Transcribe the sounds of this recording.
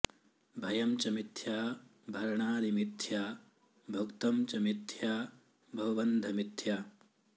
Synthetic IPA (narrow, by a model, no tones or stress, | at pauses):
bʱɐjɐmt͡ʃɐmit̪ʰjaːbʱɐɾɐɳaːnimit̪ʰja | bʱɐkt̪ɐmt͡ʃɐmit̪ʰjaː | bʱɐwɐbɐnd̪ʱɐmit̪ʰːjaː